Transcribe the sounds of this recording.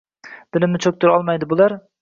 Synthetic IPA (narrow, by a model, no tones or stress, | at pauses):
d̪̥ɪlɪmnɪt͡ʃʰɵk̚ʲt̪ʰʊɾɒlˠmajd̪ɪbʊlˠaɾ